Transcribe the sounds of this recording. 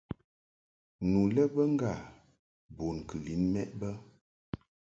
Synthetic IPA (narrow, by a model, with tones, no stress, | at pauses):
nu˨lə˦bə˦ŋ̩˦ɡa˦˨ | bo˨nkə˨li˨˦nmɛ˦ʔbə˦